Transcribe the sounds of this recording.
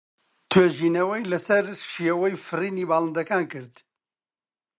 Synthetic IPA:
t̪ʰeːʒiːnɐwɛjlɐsɐɾʃiewɐjfɨriːniːbaːlˠɨnd̪ɐkaːnkɨɾd̪

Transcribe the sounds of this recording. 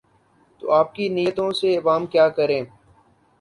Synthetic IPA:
t̪o̰ːaːp̚kiniːət̪õseɪʋaːmkjaːkəɾẽː

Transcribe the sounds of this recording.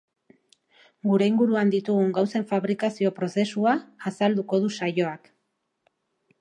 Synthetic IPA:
ɡuɾe̞iŋɡuɾuand̪it̪uɣuŋɡawse̞ɱfaβɾikasio̞pɾo̞se̞suaːsald̪uko̞ðusajo̞ak

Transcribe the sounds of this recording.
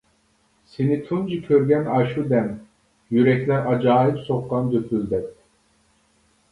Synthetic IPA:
senit̪ʰund͡ʒikʲʰøɾɡʲɛnɑʃud̪ɛn | jyɾɛkʲlʲɛɾʔɑd͡ʒaːɦipsoqqːɑnd̪øpʰyld̪ɛp̚

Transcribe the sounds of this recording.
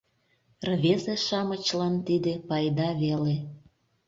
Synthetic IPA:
rβezeʃɑmət͡ɕlɑnt̪id̪epɑjd̪ɑβele

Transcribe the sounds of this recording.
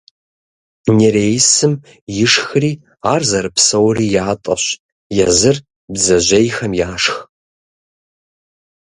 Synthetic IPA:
neɾeːjsɨm | jɪʂxriː | aːrzɐɾɨpsɐwriːjaːtʼɐ̰ɕ | jɛzɨr | bzɐʒʷejxɐmjaːʂx

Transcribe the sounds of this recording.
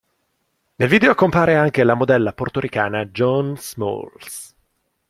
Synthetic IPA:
nelviːd̪eokompaːɾeaŋk̟elamod̪ɛlːaport̪oɾikaːnad͡ʒɔnsmo̰ls

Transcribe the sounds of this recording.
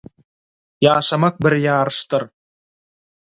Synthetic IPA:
jɑːʃɑmɑq̚bɪɾjɑːɾɯʃt̪ɯɾ

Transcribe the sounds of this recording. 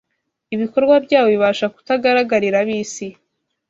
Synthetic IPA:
iβiko̞ɾɡwabɟaːwo̞βiβaːʃaku̥taɡaɾaɡaɾiɾaβiːsi

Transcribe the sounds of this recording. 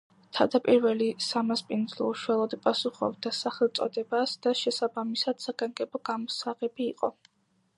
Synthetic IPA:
t̪ʰad̪apʼiɾvɛlisamaspʼind̪zlˠɔ̰uʃualˠɔd̪pʼasuχɔ̰bd̪asaχɛlˠt̪sʼɔ̰d̪ɛbasd̪̥aʃɛsabamisad̪̥saɡaŋɡɛbɔɡamɔsaʁɛbiːqʼɔ

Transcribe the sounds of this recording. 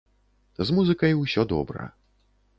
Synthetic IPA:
zmuzɨkɐjwsʲɔd̪ɔ̰bɾɐ̰

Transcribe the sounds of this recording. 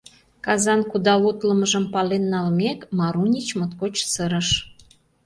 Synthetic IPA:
kɑzɑnkud̪ɑlut̪ləməʒəmpɑlenːɑlmekmɑɾunʲit͡ɕmot̪kot͡ɕsəɾəʃ

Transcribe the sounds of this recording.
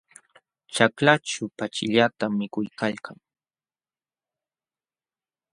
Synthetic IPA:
t͡ʃaklat͡ʃʊpat͡ʃɪʎat̪amːɪkʊjkalkʰaŋ

